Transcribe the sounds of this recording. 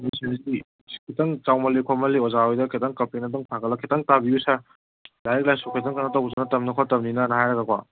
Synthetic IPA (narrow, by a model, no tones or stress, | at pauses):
misʰinzi | kʰitʰɐŋt͡ʃawmɐlikʰɔmɐliɔzaɔjdɐkʰitɐŋkɐpenɐdɔŋpʰaɡɐlːɐkʰitɐŋtabiusa | laɾik̚lajsukʰet̬ʰɐŋkanɐtɐwzanɐtɐmnɐkʰɔtɐmninɐnɐhajɾɐɡɐkʰwa